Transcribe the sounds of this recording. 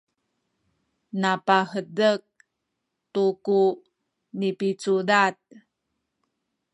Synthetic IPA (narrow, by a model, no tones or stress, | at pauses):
napahədək̚ | tuku | nipit͡sudat̚